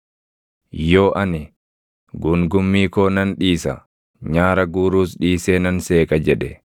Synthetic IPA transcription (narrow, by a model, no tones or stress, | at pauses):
jo̞ːʔɐnɪ | ɡʊŋɡʊmːiːkoːnɐnᶑiːsɐ̰ | ɲaːɾɐɡuːɾuːsɗiːseːnɐnseːkʼɐd͡ʒɛᶑɛ